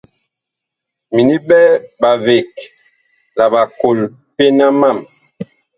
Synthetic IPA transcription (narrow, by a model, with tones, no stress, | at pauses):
mi˨ni˦bɛ˦ba˨ve˨k̚ | la˨ba˨ko˨l | pe˦na˦ma˦˨m